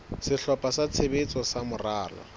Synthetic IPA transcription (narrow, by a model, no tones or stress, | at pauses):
sɪɬɔpʼasat͡sʰebet͡sʼɔsamʊraːlɔ̰